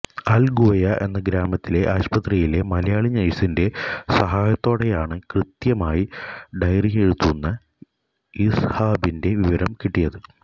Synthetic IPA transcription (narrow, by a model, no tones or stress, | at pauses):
ɐlɡoːjɐʔe̞̰nːɐɡɾaːmɐt̪ːile̞ʔaːɕpɐt̪rijile̞mɐlɐjaːɭiɲːɐjsinde̞sɐɦaːjɐt̪ːo̞ːɽe̞jaːɳɨkrɨt̪jɐmaːjiɖɐjrijeɻut̪ːunːɐ | ishaːbinde̞ʋiʋɐɾɐmkiʈːijɐðɨ